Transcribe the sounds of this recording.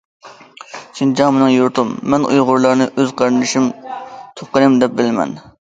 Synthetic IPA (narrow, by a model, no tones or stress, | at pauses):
ʃʰind͡ʒɑŋmɪnɨŋjuɾt̪umːɛnʔṵjʁʊɾlˠɑɾnɨʔøzqʰɑɾɨnd̪ɨʃimt̪ʰop̚qəɾɨmd̪ɛp̚bɪlmɛ̰n